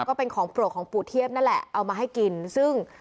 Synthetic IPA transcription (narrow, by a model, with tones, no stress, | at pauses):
kɔː˥˩pe˧nkʰɔː˩˦ŋpɾu˨˩t̚kʰɔː˩˦ŋpuː˨˩t̪ʰi˥˩əp̚na˥˩nlɛ̰˨˩ʔʔa˧wmaː˧ɦa˥˩jki˧nsɯ˥˩ŋ